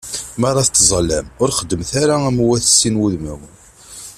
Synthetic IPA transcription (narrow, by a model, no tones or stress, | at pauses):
mɑɾˤɑθt̪ːzˤlæmʊɾχəd̪ːəmθaɾaæmwːæθəsːinwuðməw